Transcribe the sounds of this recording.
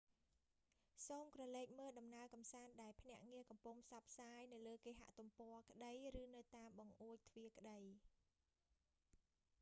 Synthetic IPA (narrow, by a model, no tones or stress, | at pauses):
soːmkrɑleːk̚məːlɗɑmnaəkɑmsaːnɗaɛlpʰnɛ̆əʔŋiəkɑmpuŋpʰsɑpʰsaːjnɨwləːkeːɦa̰ʔt̪umpɔəkə̆ɗəjrɨːnɨwt̪aːmɓɑŋʔuəc̚t̪ʰʋiəkə̆ɗəj